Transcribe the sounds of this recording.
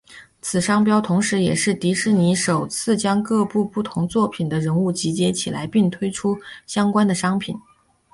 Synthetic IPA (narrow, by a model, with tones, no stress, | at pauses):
t͡sʰɹ̩˨˩ʂɑ˥ŋp̬jɑ˥ʊt̪ʰʊ˧˥ŋʂɻ̩˧˥jɛ˨˩ʂɻ̩˥˩t̪i˧˥ʂɻ̩˥˩ni˧˥ʂo˨˩ʊt͡sʰɹ̩˥˩t͡ɕjɑ˥ŋkɤ˥˧pu˥˧pu˥˩t̪ʰʊ˧˥ŋt͡swɔ˥˩pʰi˨˩nd̪ə˦ɻə˧˥nu˥˩t͡ɕi˧˥t͡ɕjɛ˥t͡ɕʰi˨˩la˧˥ɪpi˥˩ŋt̪ʰwe˥ɪʈ͡ʂʰu˥ɕjɑ˥ŋkwa˥nd̪ə˨ʂɑ˥ŋpʰḭ˨˩˦n